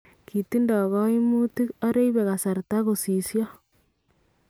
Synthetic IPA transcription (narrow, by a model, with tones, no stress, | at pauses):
ki˨ti˦ndɔ˨ɣɔ˦i˦mu˦ti˦o˦ɾe˦iβe˨ɣa˨sa˨ɾta˦ɣo˨si˨sjo˦